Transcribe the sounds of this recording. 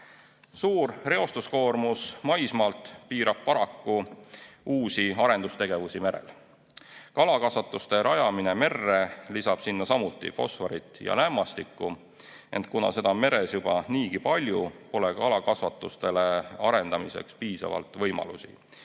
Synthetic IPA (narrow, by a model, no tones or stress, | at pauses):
suːrre̞o̞st̪usko̞ːrmusmɑjsmɑːlt̪ˑpiːɾɑb̥̚pɑɾɑkːu | uːsiɑɾe̞nd̪ust̪e̞ɡ̥e̞vusime̞ɾe̞̰l | kɑlɑkɑsvɑt̪ːˑust̪e̞ɾʔɑjɑmineme̞rːe̞lisɑb̥sinːɑsɑmut̪ːˑḭfo̞̰sfɑɾit̪ːˑjɑ̰læmːɑst̪ikːu | e̞nt̪̚ˑkunɑ̰se̞d̪̥ɑme̞ɾe̞sjub̥ɑniːɡipɑlʲjupo̞le̞kɑlɑkɑsvɑt̪ːˑust̪e̞leɑɾe̞nd̪ɑmise̞̰kspiːsɑ̰vɑ̰lt̪ˑvɤjmɑ̰lṵsḭ